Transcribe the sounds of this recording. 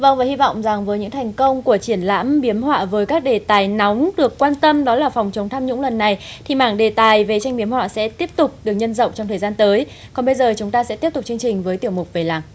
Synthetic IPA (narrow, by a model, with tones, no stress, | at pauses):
və̰˧wvəː˨˩hi˧vɔ̰˧˨wŋ͡mza˨˩ŋvəː˨˦jɲɨ̰˧˥ŋt̪ʰa˨˩jŋ̟kə˧wŋ͡mku˧˩ət͡ɕi˧˩ənla̰ː˧˥mɓi˨˦əmhwa̰ː˧˨vəː˨˦jkaː˦˥k̚ɗe˨˩t̪aː˨˩jnɔ˨˦wŋ͡mɗɨ˨˩əkːwaː˧nt̪ə˧mɗɔ˨˦laː˨˩fɔ˨˩wŋ͡mt͡ɕə˨˦wŋ͡mt̪ʰaː˧mɲʊ̰˧˥ŋ͡mlə˨˩nːa˨˩jt̪ʰi˨˩maː˧˩ŋɗe˨˩t̪aː˨˩jve˨˩t͡ɕa˧jŋ̟ɓi˨əmhwa̰ː˧˨sɛ̰˧˥t̪i˦˥əp̚t̪ʊ˨˩k͡p̚ɗɨ˨˩ək̚ɲə˧nzə̰˧˨wŋ͡mt͡ɕɔ˧wŋ͡mt̪ʰəː˨˩jzaː˧nt̪əː˨˦j | kɔ˨˩nɓə˧jzəː˨˩t͡ɕʊ˨˦ŋ͡mt̪aː˧sɛ̰˧˥t̪i˦˥əp̚t̪k͡p̚t͡ɕɨ˧əŋt͡ɕï˨˩ŋ̟vəː˨˦jt̪i˧˩əwmʊ˨˩k͡p̚ve˨˩laː˨˩ŋ